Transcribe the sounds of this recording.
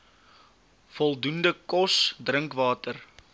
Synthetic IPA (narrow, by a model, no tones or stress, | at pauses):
fɔlˠdundəkɔsdrəŋkvɑːtər